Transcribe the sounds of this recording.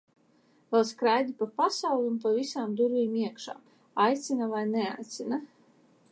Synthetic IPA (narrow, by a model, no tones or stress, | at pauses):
vɛlˠskɾajd̪ʲipapasawlʲˠunpavʲisaːmd̪uɾvʲiːmiɛkʃa̰ː | ajt̪sinavajnɛa̰jt̪sina